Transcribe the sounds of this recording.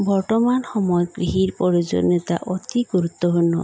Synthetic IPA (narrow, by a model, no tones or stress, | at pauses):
bɔɾʈɔmanɔxɔmɔjɔɡɾiɦiɾpɔɾid͡ʒɔ̰nɔt̪a̰ʔɔt̪iɡuɾut̪ːɔɦonɔ̰